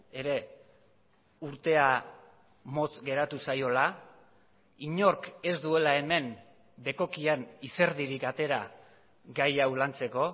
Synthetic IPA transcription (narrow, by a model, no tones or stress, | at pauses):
e̞ɾe̞ | uɾt̪e̞a | mo̞t͡sɡe̞ɾat̪usajo̞la | iɲo̞ɾke̞zd̪ue̞lae̞me̞m | be̞ko̞kianise̞ɾðiɾikat̪e̞ɾa | ɡajawlant͡se̞ko̞